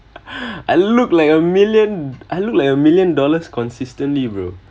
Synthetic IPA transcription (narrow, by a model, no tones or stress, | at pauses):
ʔaɪluklajkəmiljə̃nʔajluk̚laɪkəmiljə̃ndɔləskʰɔ̃nsistə̃nlibɹo̰